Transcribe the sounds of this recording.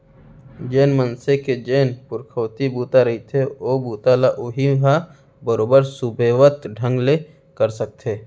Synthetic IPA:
d͡ʒeːnmənseked͡ʒeːnpʊɾkʰəːt̪ibuːt̪aɾɐɦit̪ʰeoːbuːt̪alaʔʊɦiɦa | bəɾoːbəɾsʊbʱeːʋət̪ɖʱə̃ŋɡle | kəɾsək̚t̪ʰeː

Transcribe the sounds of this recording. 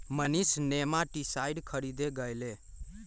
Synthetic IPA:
mənisnemaʈisajɖkʰəɾid̪eɡəjle

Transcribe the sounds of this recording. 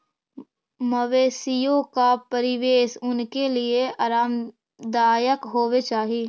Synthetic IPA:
məʋeːsijõkapəɾɪʋeːsʊnkelieaːɾaːm | d̪aːjəkɦoːʋet͡ʃaːɦiː

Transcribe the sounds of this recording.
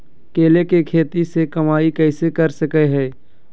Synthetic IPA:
keːlekekʰeːt̪isekɐmaːikɛːsekɐɾsəkeɦɛː

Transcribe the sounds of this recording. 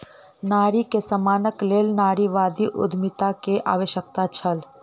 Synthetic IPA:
naːɾikesəmaːnəkleːlnaːɽiʋaːd̪iʔʊ̰d̪ʱmit̪akeʔa̰ːʋəʃjək̚t̪at͡ʃʰəl

